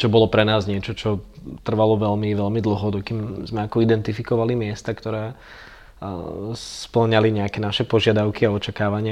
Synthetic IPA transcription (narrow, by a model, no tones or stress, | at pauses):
t͡ʃɔbɔlɔpɾɛnaːzɲɪɛt͡ʃɔt͡ʃɔt̪r̩ʋalɔʋɛlmiʋɛlmid̪l̩ɦɔd̪ɔkimzmɛakɔid̪ɛnt̪ifikɔʋalimɪɛst̪akt̪ɔɾɛː | spl̩ɲaliɲɛakɛnaʃɛpɔʒɪad̪aʊkiaɔt͡ʃakaːʋaɲɪa